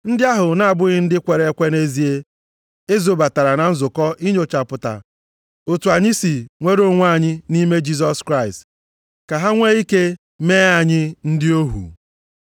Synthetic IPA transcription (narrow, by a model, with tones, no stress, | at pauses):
n̩˦dɪ˦a˦ɦʊ˨na˨a˨bʊ˦ɣɪ˦n̩˦dɪ˦kʷe˨ɾe˨˦kʷe˦ne˦zi˨˦e˦ | e˦zo˨ba˨ta˨ɾa˨na˨n̩˦zʊ˨kɔ˦ʔi˦ɲ˦o˨t͡ʃa˨pʊ˨ta̰˨ | o˨tu˨a˨ɲɪ˦si˨ŋʷe˦ɾo˦ŋʷa˦˨ɲɪ˦ni˦me˦d͡ʒi˦s̬ɔ˦skɾa˦˨ɪ˨st | ka˨ɦa˦ŋʷe˦i˦ke˦ | meː˦a˦˨ɲɪ˦n̩˦dɪ˦o˦ɦṵ˨